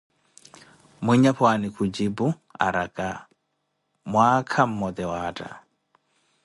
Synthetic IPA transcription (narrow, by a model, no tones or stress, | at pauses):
miɲaɸʰwanikʰud͡ʒibu | a̰ɾakʼa | mwakʰam̩mɔd̪ɛwaːtʼa̰